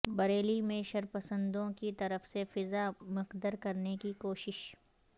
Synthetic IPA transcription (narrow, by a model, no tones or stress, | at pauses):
bɐɾeːlimẽʃɐɾpɐsə̃nd̪õkit̪ɐɾəfsefɪzamɪqd̪əɾkɐɾnekikoːʃɪʃ